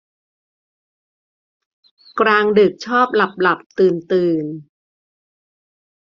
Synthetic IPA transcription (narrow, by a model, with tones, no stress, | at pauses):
kɾaː˧ŋdɯ˨˩k̚t͡ɕʰɔː˥˩p̚la˨˩p̚la˨˩p̚t̪ɯː˨˩nt̪ɯː˨˩n